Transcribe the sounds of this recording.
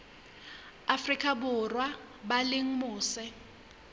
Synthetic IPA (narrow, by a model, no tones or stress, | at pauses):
afrikʼabʊrwa | balɪŋ̩mʊːsɪ